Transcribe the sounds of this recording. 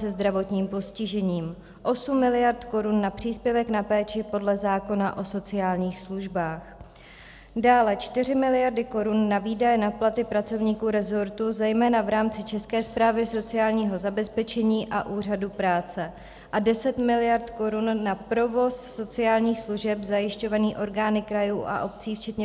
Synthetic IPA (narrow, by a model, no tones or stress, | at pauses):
sɛzd̪ɾavo̞t̪ɲiːmpo̞scɪʒɛɲiːm | ʔo̞sumːɪlɪjaɾt̪ko̞ɾunːapr̝̥iːspjɛvɛknapɛːt͡ʃɪpo̞dlɛzaːko̞naʔo̞so̞t͡sɪaːlɲiːxsluʒbaːx | daːlɛt͡ʃt̪ɪr̝ɪmɪlɪjaɾdɪko̞ɾunːaviːdajɛnaplat̪ɪpɾat͡so̞vɲiːkuːɾɛzo̞ɾt̪uzɛjmɛːnavɾaːmt͡sɪt͡ʃɛskɛːspɾaːvɪso̞t͡sɪjaːlɲiːɦo̞zabɛspɛt͡ʃɛɲiːʔaʔuːr̝adupɾaːt͡sɛ | ʔadɛsɛt̪mɪlɪjaɾt̪ko̞ɾunːapɾo̞vo̞sːo̞t͡sɪaːlɲiːxsluʒɛpzajɪʃco̞vaniːʔo̞ɾɡaːnɪkɾajuːʔa̰ʔo̞p̚t͡siːft͡ʃɛt̪ɲɛ